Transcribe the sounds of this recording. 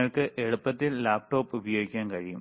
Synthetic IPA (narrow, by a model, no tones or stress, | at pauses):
ɐɭkɨʔeɽupːɐt̪ːillaːp̚ʈo̞ːpubijoːɡikʲːaːnkɐɻijṵm